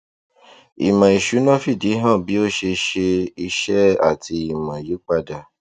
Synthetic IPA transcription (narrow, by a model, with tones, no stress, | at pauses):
ḭ˨mã˨i˨ʃu˨˦nã˦˨fi˦˨di˨˦ɦã˦˨bi˨˦o˦˨ʃe˧ʃe˧i˧ʃɛ˦a̰˦˨ti˧i˦˨mã˨ji˨˦k͡pa˧da˨